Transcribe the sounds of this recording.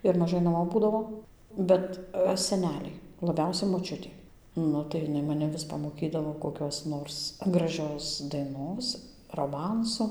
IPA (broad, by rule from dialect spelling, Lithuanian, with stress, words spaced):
ɪr mɐˈʒɐɪ nɐˈmoː ˈbuːdɐʋoː ˈbʲɛt sʲɛˈnʲæːlʲɛɪ lˠɐˈbʲɛʊsʲɛ moːˈt͡ʃʲʊtʲeː ˈnʊ tɐɪ ˈjɪˈnɐɪ mɐˈnʲɛ ʋʲɪs pɐmoːˈkʲiːdɐʋoː koːˈkʲoːs ˈnoːrs ɡrɐˈʒʲoːs dɐɪˈnoːs roːˈmɐnsʊ